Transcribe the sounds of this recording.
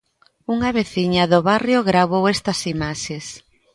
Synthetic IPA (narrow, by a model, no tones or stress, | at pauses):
uŋɐβeθiɲɐðʊβarjoɣɾaβowɛst̪ɐsimaʃes